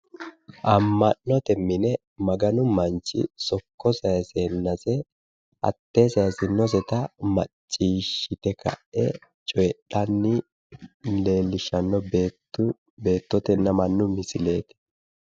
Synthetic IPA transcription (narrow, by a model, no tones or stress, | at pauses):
ʔɐmːɐnːɔt̪ɛmːɪnɛ | mɐɡɐnʊmɐnt͡ʃːɪ̰sɔkːɔsɐjseːnːɐsɛ | ɐ̰t̪ːe̞ːsɐjsɪnːɔsɛt̪ɐmɐ̰t͡ʃʼːiːʃːɪt̪ɛkɐ̰ʔʔɛ̰ | t͡ʃʼɔjɛɗɐnːɪ | le̞ːlːɪʃɐnːɔbe | ʊ | be̞ːt̪ːɔt̪ɛnːɐmɐnːʊmɪsɪle̞ːt̪ɛ̥